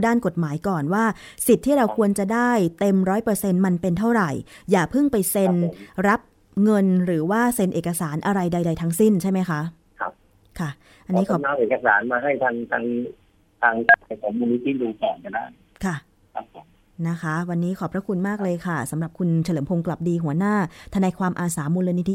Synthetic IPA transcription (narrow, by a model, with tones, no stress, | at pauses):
daː˥˩nko˨˩t̪̚maː˩˦jkɔː˨˩nwaː˥˩si˨˩t̪ʰːiː˥˩ɾa˧wkʰu˧ənt͡ɕa˨˩daː˥˩jt̪e˧mɾɔː˦˥jpɤː˧se˧nma˧npe˧nt̪ʰa˥˩wɾa˨˩jjaː˨˩pʰɯ˥˩ŋpa˧jse˧nɾa˦˥p̚ | ŋɤ˧nɾɯː˩˦waː˥˩se˧nʔeː˨˩ka˧saː˩˦nʔa˧ɾa˧jda˧jda˧jt̪ʰa˦˥ŋsi˥˩nt͡ɕʰa˥˩jma˦˥jkʰa˦˥ | kʰa˦˥p̚ | kʰa˥˩ | ʔa˧nːiː˦˥kʰɔː˨˦naː˧ʔeː˨˩ka˧saː˩˦nmaː˧ɦa˥˩jt̪ʰaː˧ŋt̪ʰaː˧ŋ | t̪ʰaː˧ŋka˨˦˩a˨˧jkʰɔː˩˦ŋmuː˧ni˦˥t̪ʰːiː˥˩duː˧kɔː˨˩nka˧˩nda̰ː˥˩ŋ | kʰa˥˩ | kʰa˦˧p̚ʰːo˨˩˦m | na˦˥kʰa˦˥wa˧nːiː˦˥kʰɔː˨˩pɾa˦˥kʰu˧nmaː˥˩k̚lɤː˧jkʰa˥˩sa˩˦mɾa˨˩p̚kʰu˧nt͡ɕʰa˧lɤː˩˦mpʰo˧ŋkla˨˩p̚diː˧ɦu˩˦ɐnaː˥˩t̪ʰa˧naː˧jkʰwaː˧mʔaː˧saː˩˦mu˧nleː˧ni˦˥t̪ʰi˦˥